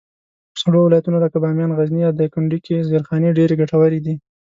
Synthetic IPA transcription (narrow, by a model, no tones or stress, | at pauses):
saɽowɪlɑjat̪unolakabɑmjɑnɣaznijɑwd̪əkʊɳɖikizeɾxɑneɖeɾeɡaʈawaɾid̪i